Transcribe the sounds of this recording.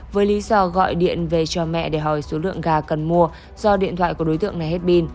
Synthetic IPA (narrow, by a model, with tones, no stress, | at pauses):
vəː˨˦jli˨˦zɔ˧˩ɣɔ̰˧˨jɗḭ˧˨ənve˨˩t͡ɕɔ˧mɛ̰˧˨ɗe˧˩ɦɔ˨˩jso˨˦lɨ̰˧˨əŋɣaː˨˩kə˨˩nmu˧ə | z̥ɔ˧ɗḭ˧˨ənt̪ʰwa̰ː˧˨jku˧˩ɗo˨˦jt̪ɨ̰˧˨əŋna˨˩jhe˦˥t̚ɓi˧n